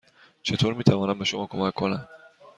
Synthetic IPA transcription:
t͡ʃʰet̪ʰoɾmit̪ʰavɒːnambaʃʊmɒkʰomakːonam

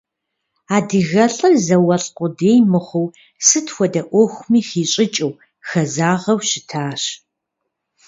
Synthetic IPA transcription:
aːdɨɣɐɬʼɐrzɐwɐɬqʷʊdeːjmɨχʷʊw | sɨtxʷɔdɐʔʷɔxʷʊmiːxiːɕʼɪt͡ʃʼɐw | xɐzaːʁɐwɕɪtʰaːɕ

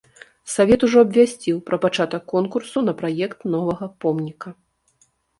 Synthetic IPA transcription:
savʲɛt̪uʐɔɐbʲvʲasʲt͡sʲiwpɾɐpat͡ʂat̪ɐkːɔnkursunɐpɾajɛkt̪nɔvɐɣɐpɔmnʲikɐ

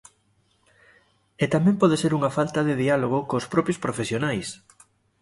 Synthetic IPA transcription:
et̪amɛ̃mpɔð̞eseɾuŋɐfalt̪ɐðɪðialoɣ̞ʊkospɾɔpjospɾofesjonajs

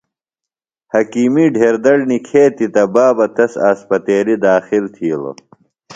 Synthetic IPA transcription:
hɐkiːmiːɖʱeːɾd̪ɐɽnikʰeːt̪it̪ɐbaːbɐt̪ɐsa̰ːspɐt̪eːlid̪aːxilt̪ʰiːlo̰

